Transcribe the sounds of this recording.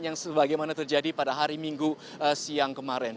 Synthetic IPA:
jaŋsəbaɡajmanat̪ərd͡ʒadipadaɦaɾimiŋɡu | əsiaŋkəmaɾɛn

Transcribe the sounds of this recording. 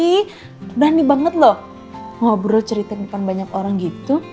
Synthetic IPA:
i | dahnibaŋət̪̚lɔh | ŋabəɾɔlt͡ʃəɾit̪anipanbaɲakoɾaŋɡit̪u

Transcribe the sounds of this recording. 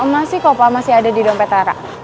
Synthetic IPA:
əmasɪhkopamasiɦadadidɔmpɛt̪aɾa̰ʔ

